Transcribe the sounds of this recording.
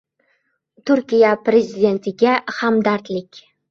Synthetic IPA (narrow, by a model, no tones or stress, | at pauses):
t̪ʰʊɾkʲijapɾezʲid̪ʲe̞nt̪ʰɪɡʲahamd̪aɾt̪lɪkʲ